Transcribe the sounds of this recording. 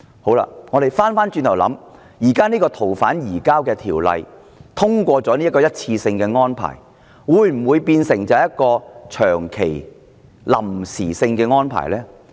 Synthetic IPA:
ho˨˥wla̰ː˧ŋɔː˨˧d̪e˨jfaː˥nfaː˥nt͡ʃyː˧nt̪ʰwlɐ̰˨˥m | jiː˨˩kaː˥niː˥kɔː˧t̪ʰo˨˩wfaː˨˥njiː˨˩kaː˥wkɛː˧t̪ʰiː˨˩wlɐ̰˨j | t̪ʰʊ˥ŋkʷɔː˧t͡sɔ˨˥niː˥kɔː˧jɐ˥t̚t͡sʰiː˧sɪ˧ŋkɛː˧ŋɔː˥npʰa̰ː˨˩j | wuː˨˧jm̩˨˩wuː˨˧jpiː˧nsɪ˨˩ŋt͡sɐ˨˧ɛ˨jɐ˥t̚kɔː˧t͡ʃʰœː˨˩ŋkʰe˨˩j | lɐ̰˨˩msiː˨˩sɪ˧ŋkɛː˧ŋɔː˥npʰa̰ː˨˩jlɛː˥

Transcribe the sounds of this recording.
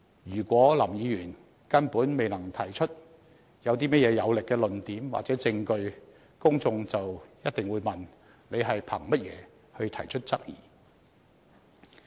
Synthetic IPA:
jyː˨˩kʷɔː˨˥lɐ˨˩mjiː˨˧jyː˨˩n | kɐ˥npuː˨˥nme˨jnɐ˨˩ŋt̪ʰɐ˨˩jt͡ʃʰɵ˥t̚ | jɐ˨˧wt̪̬iː˥mɐ˥t̚jɛː˨˧jɐ˨˧wlɪ˨kːɛː˧lɵ˨nt̪iː˨˥mwa̰˨t͡sɛ˨˥t͡sɪ˧ŋkɵ˧ɥ | kʊ˥ŋt͡sʊ˧ŋt͡sɐ˨wjɐ˥t̚t̪ɪ˨ŋwuː˨˧jmɐ˨n | ne˨˧jɦɐ˨jpʰɐ˨˩ŋmɐ˥t̚jɛ̰ː˨˧ | hɵ˧ɥt̪ʰɐ˨˩jt͡ʃʰɵ˥t̚t͡sɐ˥k̚jḭ˨˩

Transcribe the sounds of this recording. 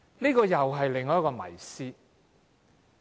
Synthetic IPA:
niː˥kɔː˧jɐ˨wɦɐ˨jlɪ˨ŋːɔː˧˦jkːɔː˧mɐ̰˨˩jsiː˥

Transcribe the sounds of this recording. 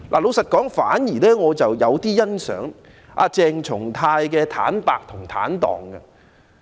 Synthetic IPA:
lʔa̰˨˩lo˨˧wsɐ˨t̚kɔː˨˥ŋfaː˨˥njiː˨˩lɛː˥ŋɔː˨˧t͡sɐ˨wjɐ˨˧wt̪iː˥jɐ˥nsœ̰ː˨˥ŋ | ʔa̰ː˧t͡sɛː˧ŋt͡sʰʊ˨˩ŋt̪ʰaː˧jkɛː˧t̪ʰa̰ː˨˥npaː˨k̚t̪ʰʊ˨˩ŋt̪ʰa̰ː˨˥nt̪ɔ̰ː˨˩ŋɡɐ̰˧

